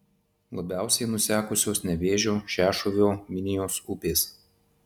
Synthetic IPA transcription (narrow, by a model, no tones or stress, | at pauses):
lˠɐbʲæˑʊsʲɛɪnʊsʲæːkʊsʲoːsnʲɛʋʲeːʒʲoːʃʲæːʃʊʋʲoːmʲɪnʲɪjoːsupʲeːs